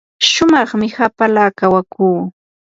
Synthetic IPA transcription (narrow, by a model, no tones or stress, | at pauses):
ʃʊmɑχmɪhapalaːkawakuː